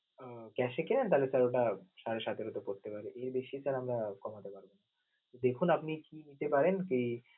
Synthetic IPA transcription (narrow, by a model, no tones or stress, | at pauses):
kɛʃekelent̪alesɛɾoʈaʃaɾeʃat̪ʰeɾot̪okoɾt̪epaɾeʔeɾbeʃisʰɛlamɾakɔmat̪epaɾbona | t̪od̪ekʰunapnikinit̪epaɾenkej